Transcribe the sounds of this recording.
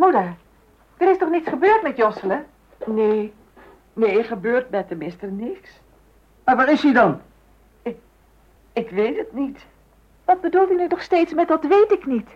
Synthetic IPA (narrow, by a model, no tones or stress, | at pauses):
mudə | d̥ərɪstɔχnitsχəbøːrtmɛtjɔsələ | neː | neːχəbøːrt̚bɛtəmɪstərnɪks | maʋatɪshidɔn | ɪkʋeːtətnit | ʋɔt̚bədulˠtinynɔχsteːtsmɛtʋɔtʋeːtɪknit